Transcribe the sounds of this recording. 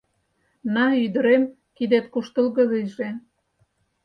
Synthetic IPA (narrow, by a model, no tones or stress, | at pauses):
nɑyd̪ə̆ɾem | kid̪et̪kuʃt̪ə̆lɣə̆ðejʒe